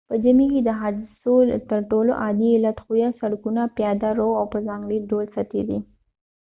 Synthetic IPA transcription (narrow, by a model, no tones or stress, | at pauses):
pəd͡ʒamiked̪əɦɑd̪ɪsolt̪əɾʈolo̰ʔɑd̪iɪlat̪xujasaɽkunapjɑd̪aɾowawpəzɑŋɡliɖolsat̪ḛwḭ